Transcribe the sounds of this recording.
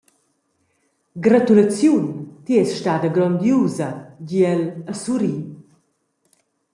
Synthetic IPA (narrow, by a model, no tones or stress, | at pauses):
ɡɾat̪ulat͡sjunt̪iɛsʃtad̪əɡɾɔnd̪juːzaɟiɛləsuɾi